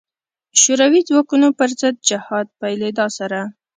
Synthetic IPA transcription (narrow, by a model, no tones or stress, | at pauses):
ʃoɾawid͡zwɑkunopəɾzəd̪̚d͡ʒɪhɑd̪̚pajled̪ɑsaɾa